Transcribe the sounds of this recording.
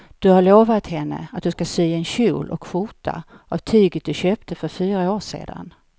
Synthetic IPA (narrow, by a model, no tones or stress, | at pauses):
d̪̥ɵhaɾɭoːvat̪hɛnːə̰at̪̚d̪ɵskasyːɛnɕṵːlʔɔ̰kʰːfuʈʰa̰ | ʔavt̪ʰyːɡət̪̚d̪ɵɕøːp̚t̪ʰəfœɾfyːɾaoːʂḛːd̪a̰n